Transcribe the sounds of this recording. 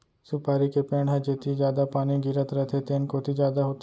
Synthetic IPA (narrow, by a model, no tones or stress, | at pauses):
sʊpaːɾikepeːɳɦɛd͡ʒet̪ʰizjaːd̪apaːnĩɡiɾət̪ɾət̪ʰet̪eːnkoːt̪ʰid͡ʒjaːd̪aɦot̪